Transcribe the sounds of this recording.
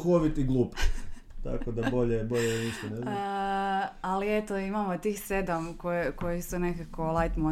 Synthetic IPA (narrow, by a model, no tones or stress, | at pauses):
xoʋit̪iɡlˠuːp | t̪a̰kod̪abo̞ʎebo̞ʎeniʃt̪oneza | aliet̪oimamot̪iːxsɾed̪amkojekojisunekakolˠajt̪mo